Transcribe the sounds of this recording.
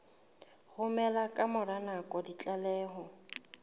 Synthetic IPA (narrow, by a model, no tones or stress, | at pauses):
ɣʊmɛlakʼamʊɾanakʼɔdit͡ɬʼalɛːɦɔ